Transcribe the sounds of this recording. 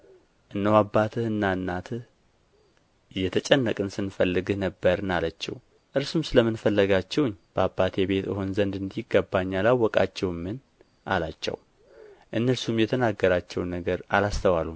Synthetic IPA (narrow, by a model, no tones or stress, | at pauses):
ʔɨnːəwabːat̪ʰɨhɨnːaɨnːat̪ʰɨh | jɛt̪ʰət͡ʃʼɛnːəkʼɨnsɨnfəlːɨɡɨhnəbːəɾɨnalət͡ʃːɛ̰w | ʔɨɾsumsɨləmɨnfəlːəɡat͡ʃːɛwɲːb̥əabːat̪ʰebe̞t̪ɨ̰ho̞nzənd̪ɨnd̪iɪɡːəbːaɲːalawːɔkʼa̰t͡ʃːɛwɨmːɨn | ʔa̰lat͡ʃːɛ̰w | ʔɨnːəɾsumjɛt̪ʰənaɡːəɾat͡ʃːɛwnːəɡəɾa̰last̪ʰəwalum